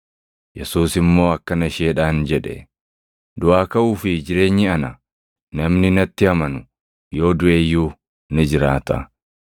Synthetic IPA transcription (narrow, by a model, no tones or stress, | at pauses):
jɛsuːsɪmːo̞ːɐkːɐnɐʃeːᶑaːnd͡ʒɛᶑɛ̰ | d̪ʊʔaːkɐʔuːfɪd͡ʒɪɾe̞ːɲːɪɐnɐ | nɐmnɪnɐt̪ːɪɐmɐnʊ | jo̞ːd̪ʊʔe̞ːjːuː | nɪd͡ʒɪɾaːt̪ɐ̰